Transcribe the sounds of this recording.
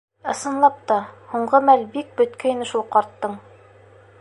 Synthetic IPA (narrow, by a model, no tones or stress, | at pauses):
ɤ̆sɤ̆nlˠɑp̚t̪ɑhuɴʁɤmælbik̚bɵ̆t̪kæinɘʃulˠqɒɾt̪ːɤɴ